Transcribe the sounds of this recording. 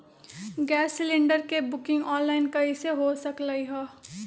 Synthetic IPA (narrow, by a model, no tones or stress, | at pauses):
ɡɛːsːɪlɪ̃ɳɖəɾkebʊkɪ̃ŋɡɔːnlaːɪnkɐiseɦosɐklaiɦɛː